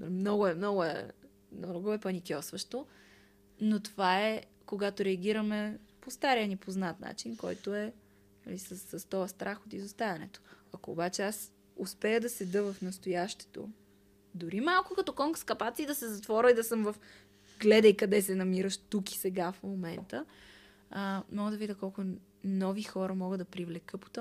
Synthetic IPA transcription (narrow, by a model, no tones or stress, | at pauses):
mnɔɡʊɛmnɔɡʊɛ̰ | mnɔɡoɛpɐnikʲɔsvɐʃt̪o | not̪ovaɛ | koɡat̪oɾɛɐɡʲiɾɐmɛpost̪aɾiənipoznat̪na̰t͡ʃinkɔ̰jt̪oɛ | nɐ̰lisəsːəst̪ɔjəst̪ɾʔaxot̪izost̪avɐnɛ̰t̪o̥ɐkoːbat͡ʃɛas | ʊspɛjəd̪ɐsɛd̪ɤvɐfnɐst̪ojaʃt̪ɛ̥t̪o̰ | d̪ʊɾimalˠkokɐt̪ɔkɔŋkskɐpat̪siːd̪ɐsɛzɐt̪vɔɾəid̪ɐsɤmvɐf | ɡlɛd̪əjkɐd̪ɛsɛnɐmiɾəʃt̪uki̥sɛɡafmomɛnt̪ə | mɔɡəd̪ɐvid̪ʲəkɔlˠkʊ | nɔvixɔɾəmɔɡəd̪ɐpɾivlɛkɤpo̥t̪ɔ